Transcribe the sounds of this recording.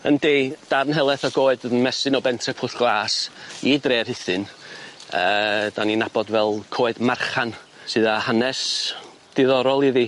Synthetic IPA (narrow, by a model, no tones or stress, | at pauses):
ə̰nded̥aɾnɦɛlˠɛθɔɡoːɨdənmɛsɨnɔbɛntʰrɛpʰʊθɡ̥lˠaːsidreːrhɨθɨn | əːd̥aninabɔdvɛlˠkʰoːɨdmarχan | sɨðahanɛs | d̥ɪðɔɾɔlˠiði